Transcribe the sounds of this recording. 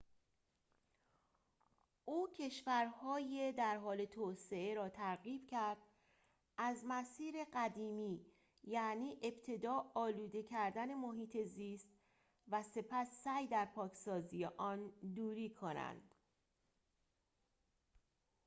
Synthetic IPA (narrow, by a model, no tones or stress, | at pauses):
ʔuːcʰe̞ʃvæɾhɒːjed̪æɾɦɒːle̞t̪ʰoːse̞e̞ɾɒːt̪ʰæɾɣiːb̥cʰæɾd̪̥̚ | ʔæzmæsiːɾe̞ɢæd̪iːmiː | jæʔniːʔe̞b̥t̪ʰe̞d̪ɒːɒːluːd̪e̞cʰæɾd̪æne̞moɦiːt̪ʰe̞ziːst̪̚ | væse̞pʰæsːæjd̪æɾpʰɒːkʰsɒːzije̞ʔɒːnd̪uːɾiːkʰo̞næ̰nd̪̥